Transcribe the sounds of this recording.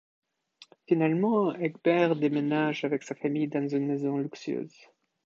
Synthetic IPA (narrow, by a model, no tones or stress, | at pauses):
finalmɑ̃ɛɡbɛʁd̪emenaʒavɛksafamijd̪anzynmɛzɔ̃lyksjø̰ːz